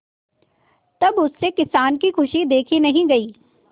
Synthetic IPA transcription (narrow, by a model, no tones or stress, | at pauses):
t̪ɐbʊsːekɪsaːnkixʰʊʃid̪eːkʰinɐɦĩɡɐiː